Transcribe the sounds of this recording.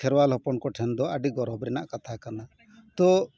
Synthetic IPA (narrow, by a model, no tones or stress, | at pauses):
ɛɾwalɦɔpɔnkɔʈʰɛnd̪ɔəɖiɡɔɾɦɔbɾɛna̰ʔkat̪ʰakana | t̪ɔ